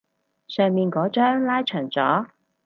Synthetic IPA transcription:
sœː˨ŋmiː˨nkɔː˨˥t͡ʃœː˥ŋlaː˥jt͡ʃʰœː˨˩ŋt͡sɔ̰ː˨˥

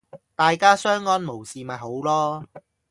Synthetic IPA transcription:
t̪aː˨jkaː˥sœː˥ŋːɔː˥nmo˨˩wsiː˨mɐ˨jɦo˨˥wlɔː˥

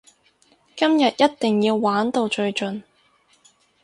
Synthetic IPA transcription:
kɐ˥mjɐ˨t̚jɐ˥t̚t̪ɪ˨ŋjiː˧wːaː˨˥nt̪o˧wt͡ʃɵ˧ɥt͡ʃɵ˨n

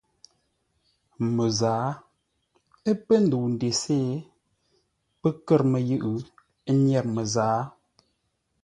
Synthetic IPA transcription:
mə˨zaː˨˦ | ə˦pə˦n˦du˨n˨de˨seː˦ | pə˦kə˦˨ɾmə˨jɯ˦˨ʔɨ˨˦ | ɲɛ˨ɾmə˨zaː˨˦

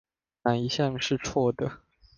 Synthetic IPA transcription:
na˨˥ni˧˥ɕjɑ˥˩ŋʂɻ̩˥˧t͡sʰwɔ˥˩d̪ə˩

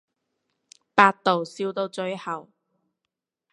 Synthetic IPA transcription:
paː˧t̚t̪o˨wsiː˧wt̪o˧wt͡ʃɵ˧ɥhɐ˨˩w

